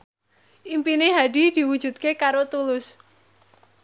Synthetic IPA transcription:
ʔimpineɦad̥i̤d̪̥i̤wu̥ʒ̥ṳt̪̚kekaɾot̪ulʊs

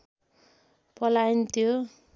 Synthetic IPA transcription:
pʌlaint̪ʰjo

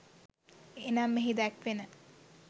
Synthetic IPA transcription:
enamːeɦid̪ækʋenə

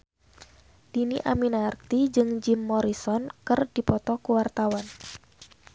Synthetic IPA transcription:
d̥iniʔaminarkt̪id͡ʒɨŋd͡ʒimːɔɾisɔnkɨrd̥ipɔt̪ɔkuwart̪awan

